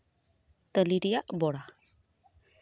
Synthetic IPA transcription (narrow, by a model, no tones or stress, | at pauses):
t̪əliɾijaʔboɾa